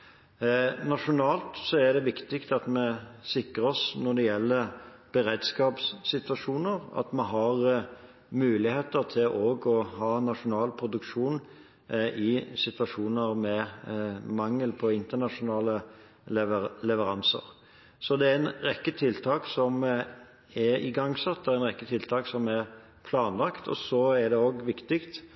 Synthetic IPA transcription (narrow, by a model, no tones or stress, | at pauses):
nɑʂʊnɑːlt̪sɔæd̪ɛʋɪkt̪ɪkt̪ɑt̪mɛsɪkəɾɔsnɔd̪ɛjɛlːəɾb̥əɾeːd̪skɑːpsːɪt̪ʋɑʂuːnəʁɑ̰t̪mɛɦɑʁ | mʉːlɪheːt̪əʁt̪ʰɪlʔoːɡɔhɑːnɑʂʊnɑːlpʰɾʊd̪ʉkʂuːn | ʔɪsɪt̪ʋɑʂuːnəɾmɛ | mɑŋːəlpʰɔɪnt̪ənɑʂʊnɑːlə | əlɛʋəɾɑnsə̰ɾ | sɔd̪ɛæɛnɾɛkːət̪ʰɪlt̪ʰɑːksɔm | ɛɾɪ̰ɡɑŋːsɑt̪̚d̪ɛæɛnɾɛkːət̪ʰɪlt̪ʰɑːksɔmæɾ | pʰlɑːnlɑkt̪ʰɔ̰sɔæɾd̪ɛoːɡʋɪkt̪ɪkt̪